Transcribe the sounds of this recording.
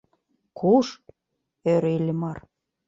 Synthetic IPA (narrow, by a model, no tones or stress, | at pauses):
kʰuʃ | øɾelʲĕmɑr